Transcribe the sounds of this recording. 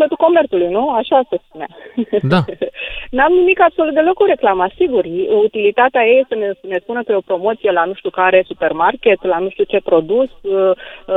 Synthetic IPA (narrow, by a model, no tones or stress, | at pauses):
pət̪uko̞me̞rt̪sulujnuaʃasespunead̪anamnimikabso̞lut̪̚d̪elo̞koɾe̞klamasiɡurut̪ilit̪at̪eajejesənene̞spunəkəjeopɾo̞mo̞t̪sije̞lanuʃt̪ʲukaɾe̞supe̞rmarkʲe̞t̪lanuʃt̪ut͡ʃe̞pɾo̞d̪us